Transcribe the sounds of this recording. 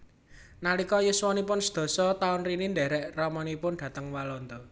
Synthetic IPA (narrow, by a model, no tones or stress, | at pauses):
nalikɔjəswɔnipʊnsə̥d̪̥o̤sɔt̪aʊnrinind̪ɛ̤ɾɛʔrɔmɔnipʊnd̪̥ä̤t̪əŋwalɔnd̪ɔ